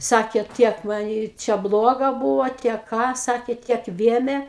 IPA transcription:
ˈsɑːkʲeː ˈtʲiɛk ʋɐ ˈjɪ ˈt͡ʃʲɛ ˈblˠoːɡɐ ˈbuːʋoː ˈtʲiɛk ˈkɑː ˈsɑːkʲeː ˈtʲiɛk ˈʋʲeːmʲeː

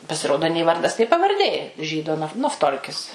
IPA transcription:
pɐsʲɪˈroːdoː nʲeː ˈʋɐrdɐs nʲeː pɐʋɐrʲˈdʲeː ˈʒʲiːdoː nɐf nɐfˈtoːlʲkʲɪs

